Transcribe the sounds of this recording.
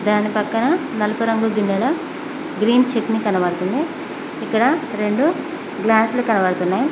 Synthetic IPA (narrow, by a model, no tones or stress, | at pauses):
d̪aːnipɐkːɐnɐnɐlɐpuɾɐŋɡuɡinːɛlɐ | ɡɾiːnt͡ʃeknikɐnɐʋɐɽɐt̪und̪iː | kːɐɽɐɾe̞ɳɖu | ɡlaːslukɐnɐʋɐɽɐt̪unːaːju